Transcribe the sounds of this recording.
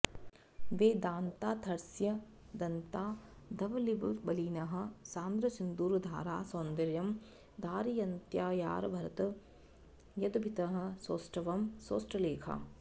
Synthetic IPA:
ʋeːd̪aːnt̪aːt̪ʰɐɾsjɐ | d̪ɐnt̪aːd̪ɐʋɐlibbɐliːnɐɦɐ̆saːnd̪ɾɐsund̪uːɾd̪ʱa̰ːɾaːsoːnd̪ɐɾjɐm | d̪ʱaːɾijɐnt̪jaːja̰ːɾɐbʱɐɾɐt̪ɐ | jɐd̪ɐbʱit̪ɐɦɐ̆soːsʈɐʋɐmsoːsʈɐleːkʰɐ̰

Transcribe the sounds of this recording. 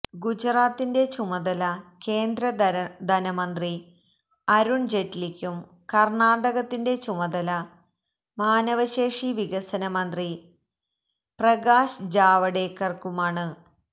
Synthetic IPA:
ɡud͡ʑraːt̪ːinde̞t͡ɕumɐðɐlɐke̞ːnd̪ɾɐd̪ʱɐnɐmɐnd̪ri | ɐɾuɳd͡ʑetːlikʲːum | kɐrɳaːɽɐɣɐt̪ːinde̞t͡ɕumɐðɐlɐ | maːnɐʋɐɕe̞ːʂiʋiɣɐsɐnɐmɐnd̪ri | prɐɣaːʂd͡ʑaːʋɐɽe̞ːkːɐrkumaːɳɨ

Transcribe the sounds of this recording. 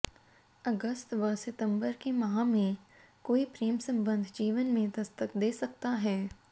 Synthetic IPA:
ɐɡəst̪ʋəsɪt̪ə̃mbəɾkemɐɦãmẽ | koːipɾeːmsə̃mbə̃nd̪ʱd͡ʒiːʋənmẽd̪ɐst̪əkd̪eːsɐk̚t̪aɦɛː

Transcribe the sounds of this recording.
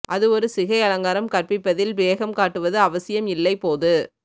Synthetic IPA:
ʔɐðɯɔɾɯsɪɣɐɪɐlɐŋɡaːɾɐmkɐrpɪpːɐðɪlbeːɣɐmkaːʈːɯʋɐðɯɐʋɐsɪjɐmɪlːɐɪpoːðɯ

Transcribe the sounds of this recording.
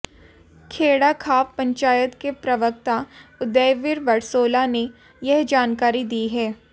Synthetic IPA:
kʰeːɽakʰaːpːɐ̃ɲt͡ʃaːjət̪kepɾɐʋək̚t̪aʊd̪ɛːʋɪɾʋɐɾsoːlane | jɐɦd͡ʒaːnkaːɾid̪iːɦɛː

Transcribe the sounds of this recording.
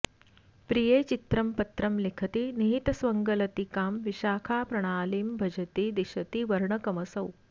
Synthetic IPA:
pɾijeːt͡ʃit̪ɾɐmpɐt̪ɾɐmlikʰɐt̪iniɦit̪ɐsʋɐŋɡɐlɐt̪ikaːmʋiʃaːkʰaːpɾɐɽ̃aːliːmbʱɐd͡ʒɐt̪id̪iʃɐt̪iʋɐɾɳɐkɐmɐsɐw

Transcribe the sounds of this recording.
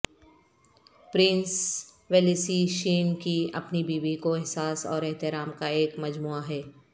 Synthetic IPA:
pɾɪ̃ns | ʋeːlisiʃiːnkiɐ̰pnibiːbikoɪɦsaːsɔ̰ːɾɛɦt̪ɪɾaːmkaeːkmɐd͡ʒmuːaɦɛː

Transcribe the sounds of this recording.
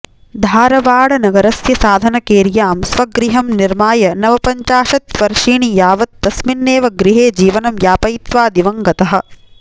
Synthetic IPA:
d̪ʱaːɾɐʋaːɽɐnɐɡɐɾɐsjɐsaːd̪ʱɐnɐkeːɾijaːmsʋɐɡɾiɦɐmniɾmaːjɐnɐʋɐpɐɲt͡ʃaːʃɐt̪ʋɐɾʃiːɳijaːʋɐt̪̚ːɐsminːeːʋɐɡɾiɦeːd͡ʒiːʋɐnɐmjaːpɐjit̪ʋaːd̪iʋɐŋɡɐt̪ɐɦɐ̆

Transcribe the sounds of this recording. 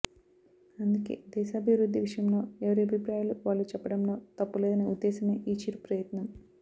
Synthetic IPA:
ɐnd̪ukḛːd̪ɛːʃaːbʱiʋɾud̪ʱːiʋiʂɐjɐmlo̞ːɛʋɐɾiɐbʱipɾaːjaluʋaːɭːut͡ʃɛpːɐɽɐmlo̞ːt̪ɐpːuleːd̪ɐnɐud̪ːɛːsɐme̞ːʔiːt͡ʃiɾupɾɐjɐt̪nɐm

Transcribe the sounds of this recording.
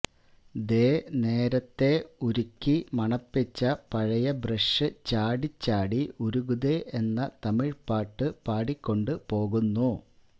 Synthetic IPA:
d̪eːne̞ːɾɐt̪ːe̞uɾukʲːimɐɳɐpːit͡ɕːɐpɐɻɐjɐbrɐʂɨt͡ɕaːɽit͡ɕːaːɽiuɾuɣuðeʔe̞nːɐt̪ɐmiɻpaːʈːɨpaːɽikʲːo̞ɳɖɨpo̞ːɣunːu

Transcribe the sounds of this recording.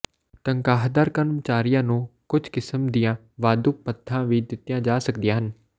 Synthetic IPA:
t̪əŋkaːɦd̪əːɾkənmt͡ʃaːɾɪjãːnũːkʊd͡ʒʱkɪsəmd̪ijãː | ʋaːd̪ʊk̚pət̪ʰːãːʋiːd̪ɪt̪ːɪjãːd͡ʒaːsəkd̪ijãːɦən

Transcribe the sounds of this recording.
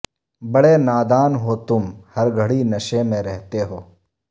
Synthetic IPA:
bɐɽenaːd̪aːnɦot̪ʊmhɐɾɡʱɐɽinɐʃemẽɾɛɦt̪eɦoː

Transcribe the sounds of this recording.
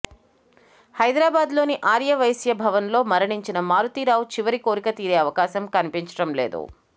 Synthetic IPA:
hɐjd̪ɾaːbaːd̪lo̞ːniʔaːɾjɐʋɐjsjɐbʱɐʋɐnlo̞ːmɐɾɐɳiɲt͡ʃinɐmaːɾut̪iːɾaːwt͡ʃiʋɐɾiko̞ːɾikɐt̪iːɾe̞ːɐʋɐkaːsɐmkɐnipiɲt͡ʃɐ̥ɽɐmle̞̰ːd̪ṵ

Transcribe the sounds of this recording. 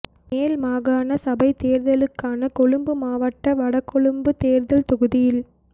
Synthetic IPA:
meːlmaːɣaːnɐsɐbɐɪt̪eːɾðɐlɯkːaːnɐkɔɭɯmbɯmaːʋɐʈːɐʋɐɽɐkːɔɭɯmbɯt̪eːɾðɐlt̪ɔɣɯðɪjɪl

